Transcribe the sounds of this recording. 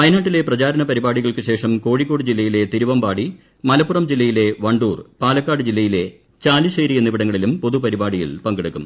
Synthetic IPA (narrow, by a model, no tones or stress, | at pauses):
ɐjɐnaːʈːile̞prɐt͡ɕaːɾɐnɐpɐɾibaːɽiɣɐɭkɨɕe̞ːʂɐmko̞ːɻikːo̞ːɽɨd͡ʑilːɐjile̞t̪iɾuʋɐmbaːɽi | mɐlɐpːurɐmd͡ʑilːɐjile̞ʋɐɳɖuːrpaːlɐkːaːɽɨd͡ʑilːɐjile̞ | t͡ɕaːliɕejɾijɐnːiʋiɽɐŋːɐɭilumpo̞ðupɐɾibaːɽijḭɭpɐŋɡeɽukːum